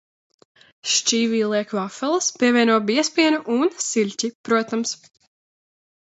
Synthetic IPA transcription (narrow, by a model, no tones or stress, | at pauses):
ʃt͡ʃiːviːlˠiɛkvafɛlˠəspiɛvʲiɛnuɔbiɛspiɛnuʔunsilʲcipɾuɔt̪ams